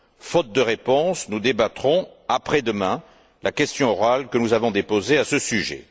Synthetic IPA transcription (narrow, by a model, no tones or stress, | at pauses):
fɔt̪̚d̪əʁepɔ̃snud̪ebat̪χɔ̃apχɛd̪əmɛ̃ | lʔakʲɛst̪jɔ̃ɔʁalkənuzavɔ̃d̪epozeasəsyʒḛ